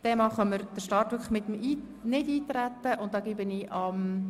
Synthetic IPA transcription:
d̪̥ɛmɑχəməɾd̥əʃtɑːrtʋʏɾkʰlə̥χmɪt̪əmiː | nɪdiːt̪ɾæt̪ːəʔʊnt̚d̥ɑːɡ̥ibəniʔɑm

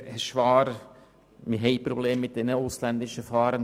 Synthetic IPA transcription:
əʃvɑːɾ | mɪɦɛɪpɾobleːmːɪt̚d̥ɛnəʊslænd̪ɪʃəfɑːɾən

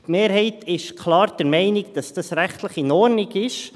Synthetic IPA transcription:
tmeːɾɦɛɪtʰɪʃkʰlɑːɾd̥ɛɾmɛɪnɪɡd̥ɑsd̥ɑsɾæχt̪ləχinɔɾnɪɡɪʃ

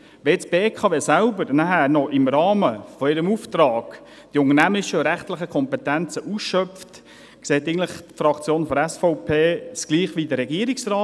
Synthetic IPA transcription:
ʋeːt͡sb̥eːkʰɑːveːsælbəɾnæɦæːɾnɔʔɪmɾɑːməfɔɪɾəmuft̪ɾɑːɡ̥ | d̥iʊŋənæmɪʃəɾæχtlɪχəkʰɔmpɛt̪ænt͡səʔusʃœft | kseːtɪən̩tlɪχtfɾɑkt͡sjoːnfɔɾæsfɔʊpʰeːsɡ̥liːχʋidəɾɛɡiəɾɪksrɑː

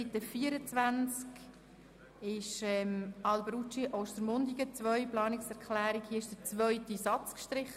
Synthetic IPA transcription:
it̪ːəfiːəɾət͡sʋænt͡sk | ɪʃɛmɑlbɾut͡ʃiʔoʊst̪əɾmʊnd̪iɡət͡sʋœʏplɑːnɪksɛʁkχlæːɾikhiəɪʃd̥ət͡svœʏtisɑt͡skʃtɾɪχə

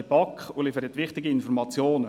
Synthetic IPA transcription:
epɑkχʊlifəɾɛt̪ʋɪχtɪɡiɪnfɔɾmɑt͡sjoːnə

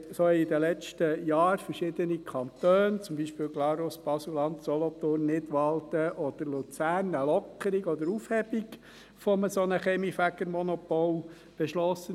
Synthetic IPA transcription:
soid̪əlɛt͡ʃtəjɑːɾfəɾʃɪd̪ənikʰɑnt̪øːnt͡sʊmbiʃpɪːlɡlɑɾosb̥ɑsulɑnt̪sɔlɔt̪ʊrnːɪt̪ʋɑlt̪əʔɔd̪̥əɾlut͡sæːrnəlɔkʰəɾiɡɔd̪əɾufhɛbiɡ | fɔməsɔnəχɛmifæɡəɾmɔnɔpɔl | b̥ɛʃlɔsːə

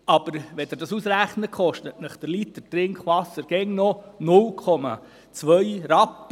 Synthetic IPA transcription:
ɑb̥əɾʋɛd̪ədɑsusɾæχnəkχɔʃtətnəχd̥̪əɾlit̚d̥ətrɪŋkχʋɑsːəɾɡ̥ɛŋnɔnʊlkʰɔmɑ̰ | t͡sʋœjɾɑpː

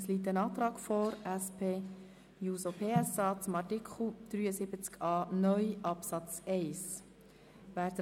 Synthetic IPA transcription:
sliːt̬ːənɑːt̪ɾɑːɡ̥fɔːɾɛspʰeː | juːsopʰeːɛsɑːt͡sʊmɑrtikʰχl̩d̪̥ɾyːəsɪb̥ət͡skɑːnœʏʔɑpsɑt͡sɛɪs | ʋæːɾtə

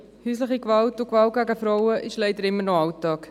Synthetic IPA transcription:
hyːsləχikʋɑltʊkʋɑlt̚ɡæɡəfɾɔʊəʔɪʃlɛɪdəɾɪmːəɾnɔɑʊtɑːk

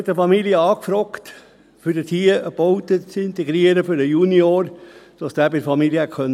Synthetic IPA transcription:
ɛt̪ːəfɑmiljəɑːkfɾɔkt̪ | fyɾdət̪ʰiːəəb̥oʊt̪ət͡sɪnt̪ɛɡɾiəɾəfyɾəjunioɾd̥ɑsd̥æːbɪɾfɑmiljəɛkʰœn

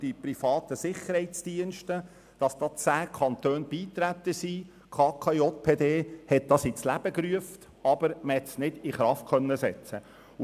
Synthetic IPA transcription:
d̥ipɾifɑːt̪əsɪχəɾhɛɪtt͡sd̥iənʃtə | d̥ɑsd̥̪ɑt͡sæːkʰɑnt̪øːnb̥iːt̪ɾæt̪ːəsi | kʰɑːkʰɑiot̚pʰeːd̪eːhɛt̚d̥ɑsɪt͡slæb̥əkɾyəft | ɑb̥əɾməhɛt̪snɪd̥ɪχɾɑft̚kʰœnːəsɛt͡sə

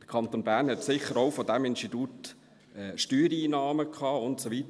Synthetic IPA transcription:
d̥ə̥kʰɑntonbæːʁnhɛtsɪχəɾoʊfodæmɪnstitut | ɛʃtyːɾiːnɑːməkʰɑːʊntsovit

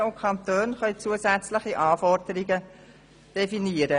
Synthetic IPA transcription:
ʊkʰɑnt̪øːnχœʏt͡suːəsæt͡sləχiʔɑːfɔrdəɾiɡə | d̥efiniəɾə

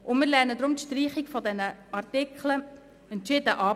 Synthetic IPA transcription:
ʔʊnmɪːɾlɛɾnədɾʊmtʃtriːχɪɡfɔdɛnəɑrtɪkʰlə | ɛntʃɪdəʔɑː

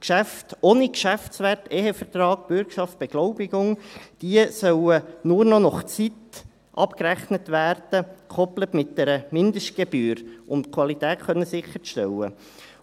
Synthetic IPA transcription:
kʃæftoːnikʃæftt͡sʋæteːɦefərtɾɑːɡb̥ʏɾkʃɑft̚b̥eɡ̥loʊbɪɡʊŋd̥iəsœwənʊɾnɔnɔχt͡sit̪ | ʔɑpkræχnətvæːɾd̥əkʰɔplətmɪt̚d̥ɛɾəmɪndəʃt̚ɡ̥eb̥yːɾʔʊntkʰwɑlit̪æːtχœnːəsɪχːəɾʃtɛwə

